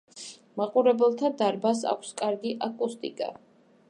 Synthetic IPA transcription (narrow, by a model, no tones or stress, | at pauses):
maqʼuɾɛbɛlˠt̪ʰad̪aɾbas̬a̰kʷʰskʼaɾɡiʔakʼust̪ʼḭkʼa̰